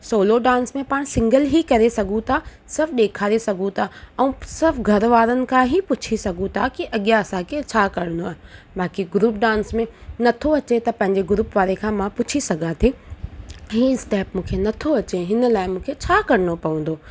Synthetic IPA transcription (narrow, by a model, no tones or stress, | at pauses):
soːloɖãːnsmẽpaːɽ̃sɪ̃ŋɡəlɦikɐɾesɐɡʱũt̪ʰa | sɪɾfʰɗeːkʰaːɾesɐɡʱũt̪ʰaɛ̃ːsɪɾfʰɡʱɐɾʋaːɾənɪ̆kʰãɦipʊt͡ɕʰisɐɡʱũt̪ʰakiʔɐɠijaɐsãkʰet͡ɕʰaːkɐɾ̤ə̃nd̪oaːɦɪ | baːkiɡɾuːp̚ɖãːnsmẽnɐt̪ʰoɐt͡ɕet̪ɐpɐ̃ɦɪɲ̆d͡ʑeɡʊɾuːpʋaːɾekʰãːmãpʊt͡ɕʰisɐɡʱãt̪ʰi | ɦĩːsʈɛːpmũːkʰenɐt̪ʰoɐt͡ɕeɦɪnə̆laːɪmũːkʰet͡ɕʰaːkɐɾɪñopɐʋə̃n̆d̪oː